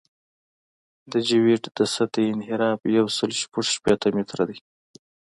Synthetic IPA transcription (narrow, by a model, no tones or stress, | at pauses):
d̪əd͡ʒiwiʈd̪əsat̪aɪnhɪɾɑpjawsəlʃpuʂʃpet̪amet̪ɾad̪əj